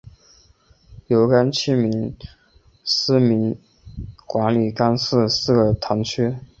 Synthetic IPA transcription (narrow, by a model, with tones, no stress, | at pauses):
jo˧˥ʊka˥nt͡ɕʰi˥˩mi˧˥n | sɹ̩˥mi˧˥n | kwa˧˥nli˨˩ka˥nsɹ̩˥˧sɹ̩˥˩ɡə˨˩t̪ʰɑ˧˥ŋt͡ɕʰy˥